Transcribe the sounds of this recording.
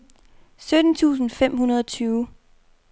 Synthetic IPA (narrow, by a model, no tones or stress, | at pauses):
sød̥n̩t͡sʰṵːs̬n̩fem̰hunɐð̞ˠɒt͡sʰyːʊ